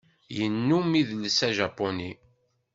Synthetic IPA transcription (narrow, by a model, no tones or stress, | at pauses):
jənːumiðlsæʒɑpːoni